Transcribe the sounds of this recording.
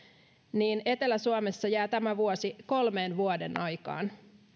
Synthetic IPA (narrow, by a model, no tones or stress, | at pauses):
niːne̞t̪e̞læsuɑmesːɑjæːt̪æmæʋuosiko̞lmeːnʋuodenʔɑjkɑ̰ːn